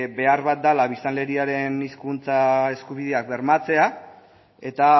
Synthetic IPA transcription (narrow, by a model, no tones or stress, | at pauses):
be̞arβat̪̚d̪alaβ̞ist̪anle̞ɾiaɾe̞niskunt͡sae̞skuβ̞iðe̞ak̚be̞ɾmat͡se̞a | e̞t̪a